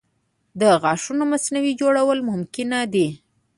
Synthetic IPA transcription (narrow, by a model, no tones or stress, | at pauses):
d̪əɣɑʂunomasnawid͡ʒoɽawəlmʊmkɪnad̪i